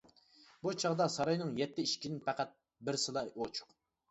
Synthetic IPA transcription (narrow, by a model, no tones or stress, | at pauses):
but͡ʃʰɑʁd̪ɑsɑɾɑjnɨŋjɛt̪ːɪiʃkʲinɪpʰæqæt̪̚ | bɪɾsɨlˠɑjot͡ʃʰʊ̥q